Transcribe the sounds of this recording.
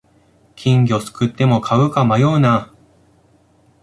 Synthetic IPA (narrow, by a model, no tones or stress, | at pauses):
kʲʰĩŋɡʲo̞sɨ̥kɯ̟t̪ːe̞mo̞kʰaɯ̟kamajoːna